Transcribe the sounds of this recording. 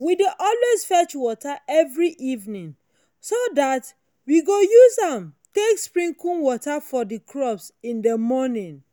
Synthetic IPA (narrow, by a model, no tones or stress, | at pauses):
widiʔɔlwesfɛt͡ʃwɔtaɛvɹiʔivnĩŋ | sodat | wiɡojuzãmtekspɹĩŋkũnwɔtafɔdikʰɹɔpsĩndəmɔnĩn